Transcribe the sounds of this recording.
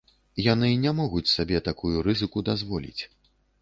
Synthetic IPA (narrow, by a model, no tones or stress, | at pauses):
janɨnʲamɔɣut͡sʲsabʲɛt̪akujuɾɨzɨkud̪azvɔlʲḭt͡sʲ